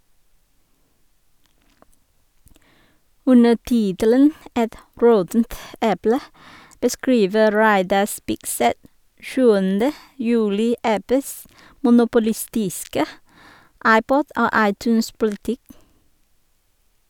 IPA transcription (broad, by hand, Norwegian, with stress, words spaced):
ˈʉnə ˈtɪtələn ˈʔɛt ˈɹɔtn̩t ˈʔɛplə bəˈskɹiːʋə ˈɾæɪdɑ ˈspɪkˌsɛt ˈʃʉːəndə ˈjʉːlɪ ˈʔæpəs mʊnʊpʊˈlɪˌstɪskə ˈɑɪˌpɔd ˈoː ˈɑɪˌtʉːnspʊlɪˌtɪk